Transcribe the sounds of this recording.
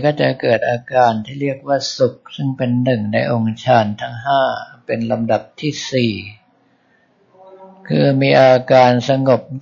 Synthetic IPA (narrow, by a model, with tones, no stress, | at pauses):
kɔː˥˩t͡ɕa˨˩kɤː˨˩t̪̚ʔaː˧kaː˧nt̪ʰiː˥˩ɾi˥˩ək̚waː˥˩su˨˩k̚sɯ˥˩ŋpe˧nːɯ˨˩ŋna˧jʔo˧ŋt͡ɕʰaː˧nt̪ʰa˦˥ŋɦaː˥˩pe˧nla˧mda˨˩p̚t̪ʰiː˥˩siː˨˩ | kʰɯː˧miː˧ʔaː˧kaː˧nsa˧ŋo˨˩p̚